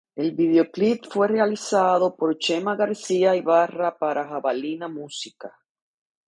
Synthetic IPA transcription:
e̞lβið̞eo̞klipfwe̞realisaðo̞po̞ɾt͡ʃemaɣaɾsiaiβarapaɾʔaxaβalinamusika

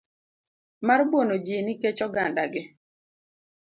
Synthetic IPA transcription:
marbonod͡ʒiniket͡ʃɔɡandaɡɪ

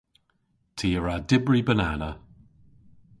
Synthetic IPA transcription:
tʰiːəɹadɪbɹibənanə

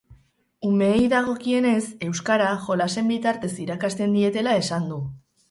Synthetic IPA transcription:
ume̞ːjðaɣ̞o̞kie̞ne̞se̞wskaɾaʝo̞lase̞mbit̪aɾt̪e̞siɾakast̪e̞nd̪ie̞t̪e̞lae̞sand̪u

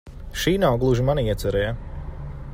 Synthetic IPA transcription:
ʃiːnawɡlˠuʒimaniiɛt̪sɛɾɛja

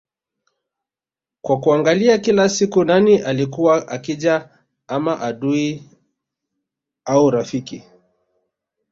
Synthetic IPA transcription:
kwakuaŋɡaliakilasikunaniʔalikuwaʔakiʄa | amaʔaɗui | auɾafiki

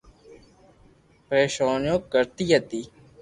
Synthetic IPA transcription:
pɾeːʃaːnjõːkəɾt̪iːɦət̪iː

